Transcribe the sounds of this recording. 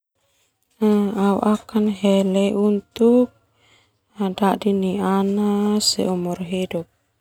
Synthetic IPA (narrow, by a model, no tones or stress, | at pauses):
aṵʔakanɦɛlɛʔunt̪uk̚ | adadinianasɛ̰umurɦidup̚